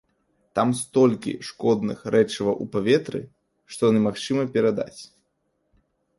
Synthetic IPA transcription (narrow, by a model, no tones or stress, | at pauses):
t̪amst̪ɔlʲkʲḭʂkɔd̪nɨ̰xɾʔɛt͡ʂɨvɐʔupavʲɛt̪ɾɨ̰ | ʂt̪ɔjanɨmaxt͡ʂɨmɐpʲɛɾad̪a̰t͡sʲ